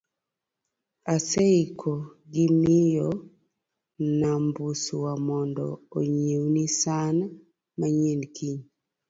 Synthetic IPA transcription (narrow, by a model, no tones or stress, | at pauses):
aseikʰoɡɪmɪjɔ | nambusuwamɔndɔ̰oɲewnisan | maɲenkiɲ